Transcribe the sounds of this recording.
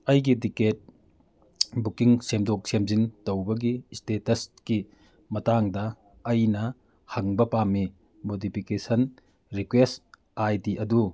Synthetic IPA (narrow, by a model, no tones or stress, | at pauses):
ɐjɡidiket̚ | bukiŋsemdok̚semzintɐwbɐɡistetɐski | mɐtaŋdɐː | jnɐ | hɐŋbɐpami | modipʰikesɐn | ɾikwest | ajdiʔɐdu